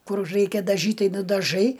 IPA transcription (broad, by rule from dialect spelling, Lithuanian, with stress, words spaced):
ˈkʊr ˈrɐɪkʲɛ dɐˈʒʲiːtʲ ˈtɐɪ nʊdɐˈʒɐɪ